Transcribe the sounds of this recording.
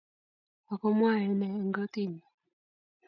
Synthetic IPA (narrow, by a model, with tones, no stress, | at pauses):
a˨kɔ˦mwa˦˨ɛ˨˦nɛː˨ŋɡɔ˦t̪i˦˨ni˨